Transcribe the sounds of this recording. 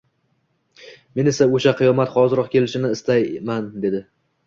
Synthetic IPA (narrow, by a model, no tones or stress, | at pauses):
me̞ne̞saoʃaqʰɨjɒmat̪χɒzɪɾɒqkʲʰe̞lɪʃɪnɪɪst̪ajmand̪e̞d̪ɪ